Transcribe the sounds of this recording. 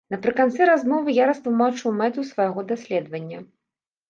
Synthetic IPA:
nɐpɾɨkant̪sɛɾazmɔvɨjaɾɐst̪lˠumat͡ʂɨwmɛt̪usvajaɣɔd̪asʲlʲɛd̪vɐnʲːɐ

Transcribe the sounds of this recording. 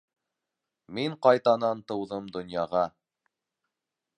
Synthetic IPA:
miɴqɑjt̪ɑnɑnt̪ɤ̆wðɤmd̪ŏnjɑʁɑ

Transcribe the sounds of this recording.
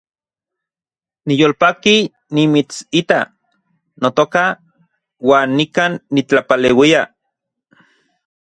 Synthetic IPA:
nijoːlpaːki | nimit͡sit̪a | not̪oka | waːnːikaːnːit͡ɬapaleːwia

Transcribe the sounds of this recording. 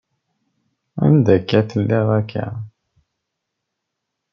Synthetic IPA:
æ̰nd̪ækːæθəlːɪʁækʰːæ̰

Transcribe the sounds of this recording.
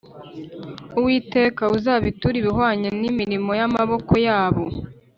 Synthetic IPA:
uwiːte̞ːkauzaːβituɾiβihwaːɲanimiɾimo̞jamaβo̞ko̞jaːβo

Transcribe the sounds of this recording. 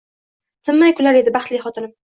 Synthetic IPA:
sɪmːajkʰʊlaɾe̞d̪ɪbaχt̪lijχɒt̪ʰɪnɪm

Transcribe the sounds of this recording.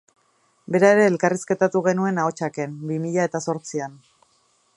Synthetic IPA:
be̞ɾae̞ɾe̞ːlkariske̞t̪at̪uɣ̞e̞nue̞nao̞t͡ʃake̞nbimiʎae̞t̪aso̞ɾt͡sian

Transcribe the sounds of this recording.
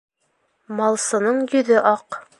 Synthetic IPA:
mɑlˠsɤ̆nɤɴjɵ̆ðɘʔɑq

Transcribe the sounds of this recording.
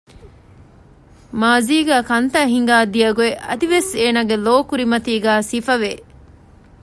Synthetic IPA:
maːziːɡæːkɐnt̪aːɦiŋɡaːd̪ijɐɡueʔɐd̪iʋeseːnaːɡeloːkuɾimɐt̪iːɡæːsifɐʋe

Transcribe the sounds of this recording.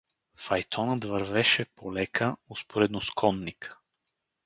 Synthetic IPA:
fɐjt̪ʰɔnət̪vɐɾvɛʃɛpolɛkʰəospoɾɛd̪noskʰɔnːik

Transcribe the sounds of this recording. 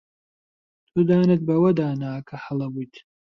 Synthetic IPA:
t̪ʰud̪aːnɨt̪̚bɐwɐd̪aːnaːkʰɐhɐlˠɐbujt̪ʰ

